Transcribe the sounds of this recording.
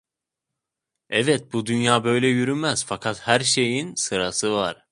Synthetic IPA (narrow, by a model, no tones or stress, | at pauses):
ɛvɛt̪̚bud̪ynjaːbø̞jlʲɛjyɾymæz̥fakʰat̪hæɾʃe̞jinsɯɾasɯvaɾ̥